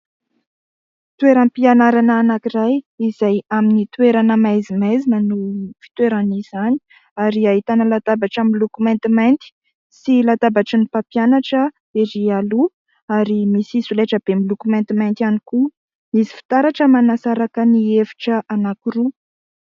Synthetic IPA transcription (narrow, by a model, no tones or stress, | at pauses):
t̪weɾampianaɾanaːnakirajizajaminit̪weɾanəmajzimezinənufi̥t̪weɾanizani̥ | aɾiaɦit̪anəlat̪abaʈ͡ʂamilukument̪imajnt̪i̥ | silat̪abaʈ͡ʂənipapjanaʈ͡ʂə | eɾialu | aɾimisisuleʈ͡ʂəb̥emilukument̪imajnt̪ianiku | misi̥fi̥t̪aɾaʈ͡ʂəmanasaɾakəniefi̥ʈ͡ʂəanakuɾu